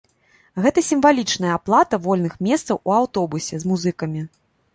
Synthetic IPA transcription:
ɣɛt̪ɐsʲimvalʲit͡ʂnɐjɐaplˠat̪ɐvɔlʲnɨxmʲɛst̪sɐwuawt̪ɔbusʲɛzmuzɨkɐmʲi

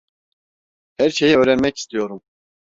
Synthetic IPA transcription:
hæɾʃe̞jɛøːɾɛnmɛci̥st̪ʰijo̞ɾum

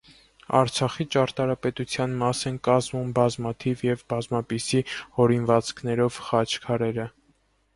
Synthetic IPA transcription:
ɑ̰ɾt͡sʰɑχit͡ʃɑɾt̪ɑɾɑpɛt̪ut͡sʰjɑnmɑsɛnkɑzmumbɑzmɑt̪ʰivjɛvbɑzmɑpisihɔɾinvɑt͡skʰnɛɾɔvχɑt͡ʃʰkʰɑɾɛɾə

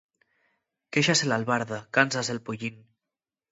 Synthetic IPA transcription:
keʃaselalβaɾðakansaselpuʎin

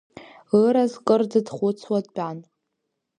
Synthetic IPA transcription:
əɾazkʼɨrdɨdχʷʊt͡sʰwadbʼan

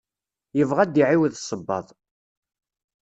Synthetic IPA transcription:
jəvʁæd̪iʕiwðsˤəbːɑ̰ðˤ

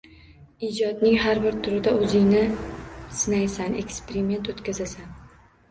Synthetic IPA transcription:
id͡ʒɒd̪nɪŋɦaɾbɪɾt̪ʰʊɾɪd̪aɵzɪŋnɪsɪnajsanekʲspeɾɪme̞nt̪ot̪kʲazasan

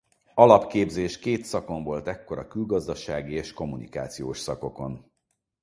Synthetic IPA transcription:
ɒlɒpkeːbzeːʃkeːt̪sɒko̞ɱvo̞lt̪ɛkːo̞ɾɒkylɡɒzd̪ɒʃaːɡieːʃko̞mːunika̰ːt̪sijoːʃsɒko̞ko̞n

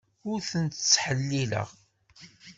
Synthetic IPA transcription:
ʊɾθənt̪t͡sːħəlːilə̰ʁ

